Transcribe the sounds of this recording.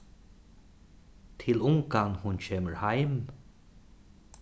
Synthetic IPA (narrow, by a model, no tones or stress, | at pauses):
t̪ʰɪlʊŋɡɑŋhʊnt͡ɕʰeːməɹhaɪm